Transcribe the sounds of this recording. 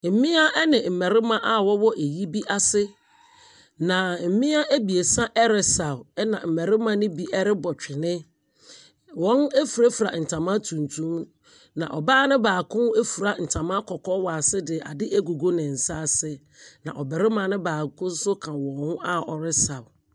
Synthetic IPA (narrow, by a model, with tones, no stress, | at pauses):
m̩˨mĩ˦a˦ɛ˦nɪ̃˨m̩˨mɛ˨ɾɪ˦mã˦ʔa˦wɔ˦wɔ˦ʔe˨ji˦bi˦ʔa˦sɪ˦ | nã˨m̩˨mĩ˦a˦ʔæ˦bi˨e˨sã˦ʔɛ˦ɾɪ˨sa˨wɛ˦nã˨m̩˨mɛ˨ɾɪ˦mã˦nɪ̃˦bi˦ɛ˦ɾɪ˦bɔ˨t͡ɕᶣɪ˨nɪ̃˦ | wɔ̃˦nɛ˦fu˨ɾa˦fu˨ɾa̰˨n̩˨tʰã˨mã˦tʰũ˨ntʰũ˦m | nã̰˨ʔɔ˨baː˦nɪ̃˦baː˨kʰʊ̃˦e˦fu˨ɾa˨n̩˨tʰã˨mã˦kʰɔ˨kʰɔ˦wa˨sɪ˦dɪ˨a̰˨dɪ˦ʔæ˦ɡu˨ɡo˦nɪ̃˨n̩˨sa˦˨sɪ˦ | nã̰˨ʔɔ˨bɛ˨ɾɪ˦mã˨˦nʊ̃˦baː˨kʰʊ̃˦n̩˦sʊ˦kʰã˨wɔ̃˨hʊ̃˦a˦ɔ˨ɾɪ˦sa˨w